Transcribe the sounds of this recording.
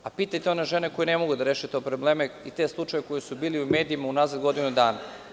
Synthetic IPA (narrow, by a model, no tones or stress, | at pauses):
apiːt̪ajt̪eoneʒeneko̞jenemo̞ɡud̪aɾeːʃet̪o̞pɾoble̞ːmeit̪e̞slˠut͡ʃajeko̞jisubiːliume̞ːd̪iimaunazad̪ɡo̞d̪inud̪aːna